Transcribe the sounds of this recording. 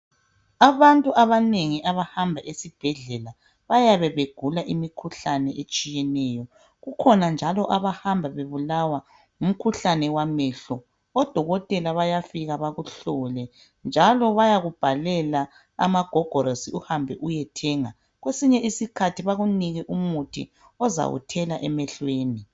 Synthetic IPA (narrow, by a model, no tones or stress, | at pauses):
aβantʼuʔaβaneŋiʔaβahambʱaʔesib̥ʱɛɮɛla | βajaβɛβeɡ̥ʱulaʔimikʰuɬanɛʔet͡ʃʼijɛnɛːjɔ | ɣukʰɔnand͡ʒʱalɔʔaβahambʱaβeβulawa | um̩kʰuɬanɛwamɛɬɔ | ɔd̥ʱɔɣɔtʼɛlaβajafiɣaβaɣuɬɔlɛ | nd͡ʒʱalɔβajaɣub̥ʱalɛla | a̰maɡ̥ʱɔɡ̥ʱɔɾosiuhambʱɛ̰ʔujɛtʰɛːŋa | ɣwesiɲɛisikʰatʰiβaɣuniɣɛʔumutʰḭ | ɔza̰wṵtʰɛlaʔɛmɛɬweːni